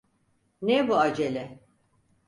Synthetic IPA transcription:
nebuad͡ʒelʲɛ

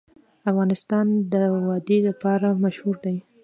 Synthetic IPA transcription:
afɣɑnɪst̪ɑnd̪əwɑd̪elapɑɾamaʃhuɾd̪aj

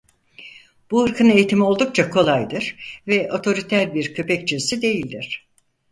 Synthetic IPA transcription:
b̥uhɯɾkʰɯne̞jit̪ʰimio̞lˠd̪uk̚t͡ʃʰakʰo̞lˠajd̪ɯɾ̥vɛʔo̞t̪ʰo̞ɾit̪ʰæɾbiɾcʰø̞pɛct͡ʃʰesid̪e̞jilʲd̪iɾ̥

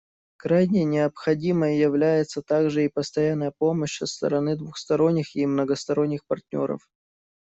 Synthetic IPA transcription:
kɾajnʲɪnʲɪəpxɐdʲiməjəjɪvlʲæjɪt̪sət̪aɡʐɨipəst̪ɐjanːəjəpo̞məɕsəst̪ə̰ɾɐnɨd̪vʊxst̪ɐɾo̞nʲːɪxɪmnəɡəst̪ɐɾo̞nʲːɪxpɐrtʲnʲo̞̰ɾə̰f

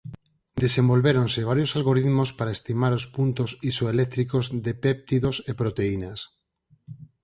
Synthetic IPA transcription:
d̪esembolβeɾõnseβ̞aɾjosalɣoɾiðmospaɾaest̪imaɾospunt̪osisoelek̚t̪ɾikozðepep̚t̪iðosepɾot̪einas

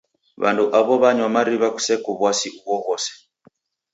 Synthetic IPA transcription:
βa̰nduʔaβɔβaɲwamaɾiβaku̥sɛkuβwasiʔuwɔɣɔsɛ̥

